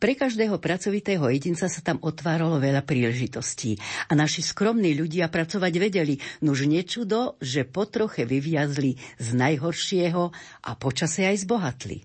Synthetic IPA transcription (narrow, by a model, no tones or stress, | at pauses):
pɾɛkaʒd̪ɛːɦɔpɾat͡sɔʋit̪ɛːɦɔjɛɟint͡sasat̪amɔt̪ʋaːɾalɔʋɛʎapɾiːlɛʒit̪ɔsciːanaʃiskɾɔmniːʎuɟɪapɾat͡sɔʋaɟʋɛɟɛlinuʒɲɛt͡ʃud̪ɔʒɛpɔt̪ɾɔxɛʋiʋɪazliznajɦɔɾʃɪɛɦɔʔa̰pɔt͡ʃasɛajzbɔɦat̪lḭ